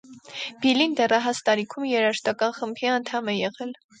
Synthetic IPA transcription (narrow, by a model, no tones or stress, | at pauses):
b̥ilind̪ɛrɑɦɑst̪ɑɾikʰumjɛɾɑʃt̪ɑkɑnχəmbʰiɑnt̪ʰɑmɛjɛʁɛl